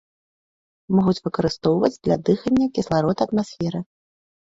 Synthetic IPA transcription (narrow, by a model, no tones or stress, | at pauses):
mɔɣut͡sʲvɨkɐɾɨst̪ɔwvɐd͡zʲd̪lʲɐ̰d̪ɨxɐnʲːɐkʲislˠaɾɔt̪ɐːt̪masʲfʲɛɾɨ